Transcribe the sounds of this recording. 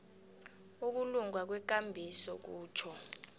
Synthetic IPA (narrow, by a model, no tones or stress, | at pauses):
uk̬uluŋwak̬wɛk̬ʼambʱisɔk̬uːt͡ʃʰɔ